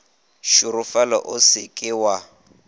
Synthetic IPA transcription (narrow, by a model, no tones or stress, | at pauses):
ʃʊɾʊfalɔ̰ʔʊsɪkʼɪwa